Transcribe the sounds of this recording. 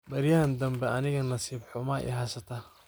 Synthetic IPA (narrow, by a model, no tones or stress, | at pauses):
bɐɾjɐhɐnd̪ɐmbɛɐnɪɣɐnɐsiːbħʊmaːʔɪ̰ɦaːsɐt̪ʰɐ